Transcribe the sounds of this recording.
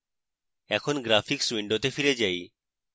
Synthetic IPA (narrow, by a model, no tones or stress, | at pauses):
ɛkʰonɡɾapʰikswiɳɖot̪efiɾed͡ʒaj